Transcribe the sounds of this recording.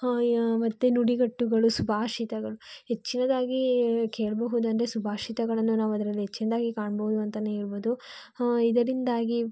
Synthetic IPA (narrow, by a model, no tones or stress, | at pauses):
mɐt̪ːenuɽiɡɐʈːuɡɐɭusubʱaːʂit̪ɐɡɐɭuɦet͡ʃːinɐd̪aːɡike̞ːɭɐbɐɦud̪ɐnd̪ɾesubʱaːʂit̪ɐɡɐɭɐnːunaːʋɐd̪ɐɾɐlːiɦet͡ʃːinɐd̪aːɡikaːɳɐbɐɦud̪uɐnt̪ɐnːeiɾboːd̪u | id̪ɐɾind̪aːɡi